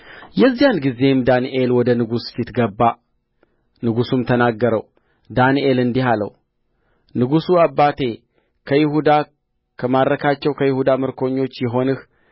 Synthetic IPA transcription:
jɛzːijanɡize̞md̪aniʔe̞lwɔd̪ənɨɡusfit̪ɡəbːa | nɨɡusumt̪ʰənaɡːəɾə̰w | d̪aniʔe̞lɨnd̪iɦalə̰w | nɨɡusuabːat̪ʰe̞ | kʰəjɪɦud̪a | kʰəmaɾɾəkʰat͡ʃːɛwkʰəjɪhud̪amɨɾkʰo̞ɲːo̞t͡ʃːjɛɦo̞nɨh

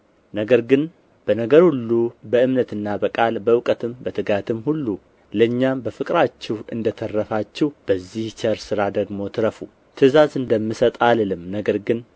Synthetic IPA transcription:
nəɡəɾɡɨn | b̥ənəɡəɾhulːubəɨmnət̪ɨnːabəkʼalbəwkʼət̪ʰɨmbət̪ʰɨɡat̪ʰɨmhulːu | ləɲːambəfɨkʼɾat͡ʃːɛwɨ̰nd̪ət̪ʰərːəfat͡ʃːɛhb̥əzːiht͡ʃʰəɾsɨɾad̪əɡmo̞t̪ʰɨɾəfu | t̪ʰɨzazɨnd̪əmːɨsət̪ʼallɨmnəɡəɾɡɨn

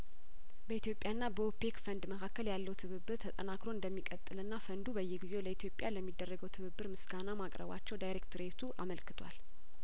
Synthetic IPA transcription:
bəit̪jo̞pʼjanːabəopekfənd̪məkʰakːəljalːəwt̪ʰɨβɨbːɨɾt̪ʰət̪ʼənakɾo̞ɨnd̪əmːikʼət̪ʼːɨlɨnːafənd̪ubəjːɛɡizewləit̪ʰjo̞pʼjaləmːid̪ːərːəɡəwt̪ʰɨβɨbːɨɾmɨsɡanamakʼɾə̰βa̰t͡ʃːɛwd̪ajɾekt̪ʰɨɾet̪ʰuʔaməlkɨ̥t̪ʰwa̰l

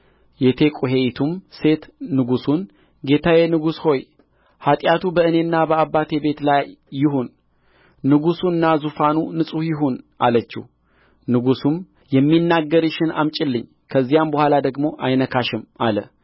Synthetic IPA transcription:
jɛt̪ʰe̞kʼuɦe̞jt̪ʰumse̞t̪nɨɡusun | ɡe̞t̪ʰawe̞nɨɡusho̞j | hat̪ʼjat̪ʰubəɨne̞nːabəabːat̪ʰe̞be̞t̪lajːɪɦunː | ɨɡusuɨnːazufanunɨsʼuhjɪɦonʔalət͡ʃːɪ̰ | nɨɡusum | jɛmːinːaɡːəɾɨʃɪna̰mt͡ʃʼɪlːɨɲː | kʰəzːijambəhʷalad̪əɡmo̞ʔajnəkʰaʃɨmalə

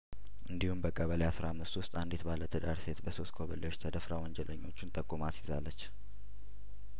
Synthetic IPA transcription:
ʔɨnd̪ihumbəkʼəβəleasɾaamːɨst̪wʊst̪ʼand̪et̪balət̪ʰəd̪aɾse̞t̪bəso̞st̪kʰoβəleo̞t͡ʃːt̪ʰəd̪əfɾawɔnd͡ʒɛləɲːo̞t͡ʃːunt̪ʼəkʼːumat̪jɪzalːət͡ʃː

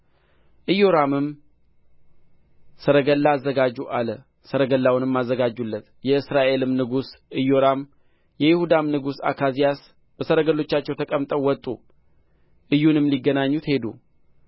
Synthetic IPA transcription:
ʔɨjo̞ɾamɨm | səɾəɡəlːaːzːəɡad͡ʒːuʔalə | səɾəɡəlːawnɨmːazːəɡad͡ʒːulːət̪ | jɛɨsɾaʔe̞lɨmnɨɡusɨjo̞ɾam | jɛjɪhud̪amnɨɡusa̰kʰazijas | b̥əsəɾəɡəlːo̞t͡ʃːat͡ʃːɛwt̪ʰəkʼəmt̪ʼəwːɔt̪ʼu | ʔɨjːunɨmliɡːənaɲːut̪he̞d̪ṵ

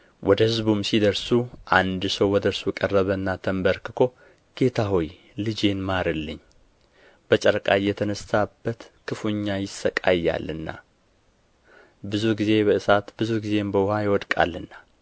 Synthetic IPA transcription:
wʔɔd̪əhɨzbumsid̪əɾsuʔand̪səwwɔd̪əɾsukʼərːəβənːat̪ʰəmbəɾkɨkʰo̞ | ɡ̥e̞t̪ʰaɦoj | lɨd͡ʒe̞nmaɾɨlːɨɲː | b̥ət͡ʃʼəɾkʼajɛt̪ʰənəsabːət̪kʰɨfuɲːajɪsːəkʼa̰jːa̰lːɨnːa̰ | bɨzuɡize̞bəʔɨsat̪b̥ɨzuɡize̞mbəwʊhajɪwɔd̪kʼa̰lːɨnːa

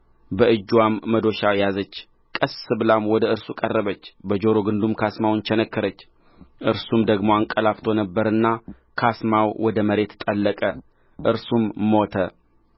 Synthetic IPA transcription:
bəʔɨd͡ʒːwamːəd̪o̞ʃawjazət͡ʃː | kʼəsːɨbɨlamwɔd̪əɨɾsukʼərːəβət͡ʃːbəd͡ʒo̞ɾo̞ɡɨnd̪umkʰasmawnt͡ʃɛnəkːɨɾət͡ʃː | ʔɨɾsumd̪əɡmo̞aŋkʼəlaft̪ʰo̞nəbːəɾɨnːa | kʰasmawwɔd̪əməɾe̞t̪t̪ʼəlːəkʼə | ʔɨɾsumːot̪ʰə

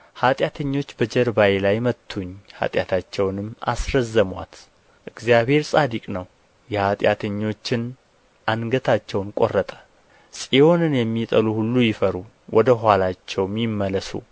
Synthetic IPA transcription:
hat̪ʼjat̪ʰəɲːo̞t͡ʃːbəd͡ʒəɾbajlajmət̪ʰːuɲːha̰t̪ʼja̰t̪ʰat͡ʃːɛwnɨmːa̰sɾəzːəmwa̰t̪ | ʔɨɡzijaβhe̞ɾsʼad̪ikʼnəw | jɛhat̪ʼjat̪ʰəɲːo̞t͡ʃːɪn | ʔanɡət̪ʰat͡ʃːɛwnkʼo̞̰rːət̪ʼə̥ | sʼio̞nɨnjɛmːit̪ʼəluhulːujɪfəɾu | wʔɔd̪əɦalat͡ʃːɛwmjɪmːələsṵ

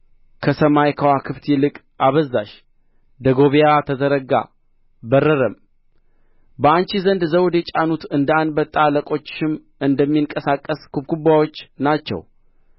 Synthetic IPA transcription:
kʰəsəmajkʰəwakʰɨft̪jɛlɨkʼ | ʔaβəzːaʃ | d̪əɡo̞βijat̪ʰəzəɾəɡa̰ | bərːəɾəm | bəant͡ʃizənd̪zəwd̪jet͡ʃʼanut̪ɨnd̪əanbət̪ʼːaləkʼo̞t͡ʃːɪm | ɨnd̪əmːiŋkʼəsakʼːəskʰubkʰubawo̞t͡ʃːnat͡ʃːɛ̰w

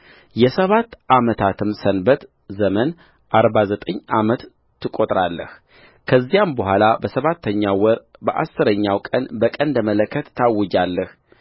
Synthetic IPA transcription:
jɛsəβat̪ːʔamət̪ʰat̪ʰɨmsənbət̪ | zəmən | ʔaɾbazət̪ʼəɲːamət̪ʰː | ɨkʼot̪ʼɾalːə̰h | kʰəzːijambəhʷalabəsəβat̪ʰːəɲːawɔɾbəʔa̰sːɨɾəɲːawkʼənbəkʼənd̪əmələkʰːət̪ːʰawːɔd͡ʒalːəh

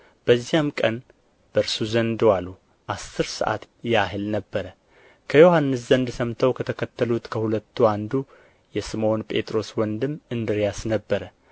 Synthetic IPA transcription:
b̥əzːijamkʼən | b̥əɾsuzənd̪walːu | ʔasːɨɾsə̰ʔa̰t̪ | jaɦɨlnəbːəɾə | kʰəjo̞hanːɨszənd̪səmt̪ʰəwkʰət̪ʰəkʰət̪ʰːəlut̪kʰəhulət̪ʰːuand̪u | jɛsɨmo̞npʼe̞t̪ʼɾo̞swɔnd̪ɨmɨnd̪ɨɾjasnəbːəɾə

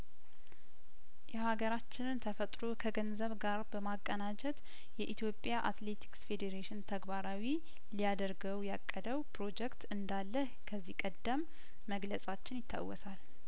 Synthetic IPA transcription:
jɛhaɡəɾat͡ʃːɪnɨnt̪ʰəfət̪ʼɾokʰəɡənzəβɡaɾbəmakʼːənad͡ʒɛt̪ | jɛʔit̪ʰjo̞pʼjaʔa̰t̪le̞t̪ʰi̥ksfe̞d̪eɾeʃɪnt̪ʰəɡbaɾawi | lijad̪əɾɡəwjakʼːəd̪əwpʰɾo̞d͡ʒɛkt̪ɨnd̪alːəhkʰəzːihkʼəd̪ːəmː | əɡləsʼat͡ʃːɪnjɪt̪ʰːa̰wːɔsal

